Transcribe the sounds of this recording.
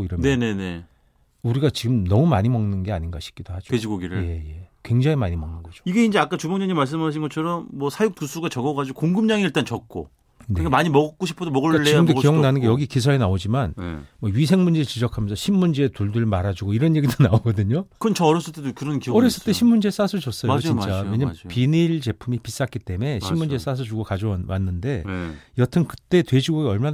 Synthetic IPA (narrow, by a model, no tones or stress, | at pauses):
oiɾʌne̞ne̞ne | uɾiɡat͡ɕiɡɯmnʌmumaɲimʌŋnɯnɡe̞aɲinɡaɕʰi̥k͈id̥ohad͡ʑo̥ked͡ʑʰiɡoɡiɾɯje̞je̞kwe̞ŋd͡ʑaŋimaɲimʌŋnɯnɡʌd͡ʑo̥iɡe̞ind͡ʑe̞ak͈at͡ɕubʌŋɲʌŋɲimaɭs̬͈ɯmɦaɕʰinɡʌt͡ɕʰʌɾʌmːwʌsʰajuk̚tusʰuɡat͡ɕʌɡʌɡad͡ʑiɡokoŋɡɯmɲaŋiiɭt͈ant͡ɕʌk̚k͈o̰ | nkeikamaɲimʌɡk͈oɕʰipʰodomʌɡɯkat͡ɕeiiɡɯmdoijʌŋnanɯnɡejʌɡikis̬ʰʌenaod͡ʑimanmwʌɥis̬ʰe̞ŋmund͡ʑeɾɯɭt͡ɕid͡ʑʌkʰamjʌnsʰʌɕʰinːund͡ʑeːtuɭduɭmaɾad͡ʑuɡoiɾʌnje̞ɡidonaoɡʌdɯɲokɯnt͡ɕʌʌɾjʌs͈ɯɭt͈edokɯɾʌnkiʌɾjʌs͈ɯɭt͈e̞ɕʰimːund͡ʑe̞s͈asʰɯd͡ʑʌs͈ʌjoit͡ɕt͡ɕ͈aweɲampiniɭt͡ɕe̞pʰumipis͈ak͈it͈e̞me̞immund͡ʑe̞s͈as̬ʰɯd͡ʑuɡokad͡ʑʌwanːɯnde̞jʌtʰɯnkɯ̥t͈e̞twe̞d͡ʑiɡoɡeʌɭman